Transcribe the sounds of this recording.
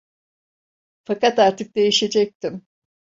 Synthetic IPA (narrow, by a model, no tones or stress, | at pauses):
fakat̪aɾt̪ʰɯk̚d̪e̞jiʃe̞d͡ʒɛc̚t̪im